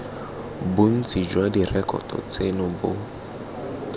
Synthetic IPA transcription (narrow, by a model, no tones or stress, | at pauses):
bʊn̩t͡sʼid͡ʒwadirɛkʼɔ̰tʼɔ̰t͡sʼenʊbʊ